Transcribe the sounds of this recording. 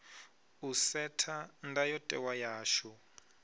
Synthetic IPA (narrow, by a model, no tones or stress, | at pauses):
usɛtʰandajɔtʼɛ̰wajaːʃɔ